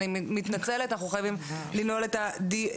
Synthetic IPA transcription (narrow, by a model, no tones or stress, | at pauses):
immit̪nat͡se̞let̪anaχuχajavimlino̞let̪ad̪i